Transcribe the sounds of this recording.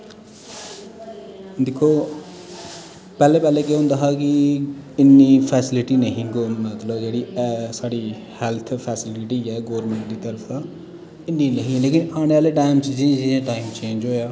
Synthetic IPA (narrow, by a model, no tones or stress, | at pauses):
d̪ekʰːoː | pɛːlepɛːlekeɦũnd̪aɦakiɪnːipʰɛːsɪliʈinəɦĩɡomat̪ləbd͡ʒeɽisaːɽi | hɛlt̪ʰpʰɛːsɪliʈijɛɡoːɾmeɳʈd̪it̪əɾpʰa | ɪnːinəɦĩleːkĩnaːnealeʈaːjmt͡ʃit͡ʃẽd͡ʒiẽʈaːɪmt͡ʃẽːnd͡ʒɦoːja